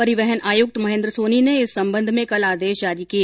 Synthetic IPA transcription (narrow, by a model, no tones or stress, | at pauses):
pɐɾɪʋɛɦənaːjʊk̚t̪mɐɦẽnd̪ɾəsoːnineɪsːɐ̃mbə̃nd̪ʱmẽkɐlaːd̪eːʃd͡ʒaːɾiki